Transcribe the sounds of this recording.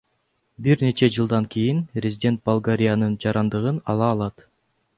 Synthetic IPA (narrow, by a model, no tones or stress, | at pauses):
biɾne̞t͡ʃe̞d͡ʒɯlˠd̪ɑŋkʰijinpɾʲɪzʲidʲe̞nt̪̚bɐlˠɡaɾʲijanɯnd͡ʒɑɾɑnd̪ɯʁɯnɑlˠɑːlˠɑt̪